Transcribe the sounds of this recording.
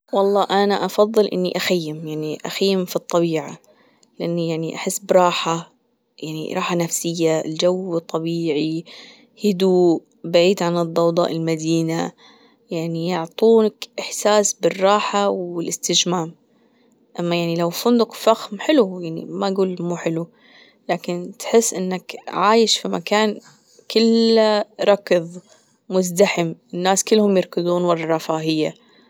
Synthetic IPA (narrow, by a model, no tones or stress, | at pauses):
wɑlˤːɑːʔanaʔɑfɑðˤːɨlʔɪ̰nːḭʔaxajːɪmjaʕniʔa̰xajːɪmfit̪ˤːɑβiːʕa̰ | lɪʔanːijaʕniʔaħɪsːbɾˤɑːħa | jaʕnḭɾˤɑːħanafsɪjːald͡ʒawːɨt̪ˤːɑbiːʕi | hɪd̪uːʔ | baʕiːd̪ʕanɨd̪ˤːɑwd̪ˤɑ̰ːʔɪlmad̪iːna | jaʕnijʊʕt̪ˤuːnakʔɪħsaːsbɪrˤːɑːħawɪlʔɪst̪ɪd͡ʒmaːm | ʔamːajaʕnilawfʊnd̪ʊqfaxmħɪlujaʕnḭmaɡuːlmuːħɪlu | laːkɪnt̪ħɪsːʔɪnːakʕaːjɪʃfima̰kaːn | kɪl | ɾˤɑkðˤ | mʊzd̪aħɪmʔɪnːaːskɪlːhʊmjɪɾˤkɪd̪ˤuːnwɑrˤɑɾˤɑfaːɦɪjːa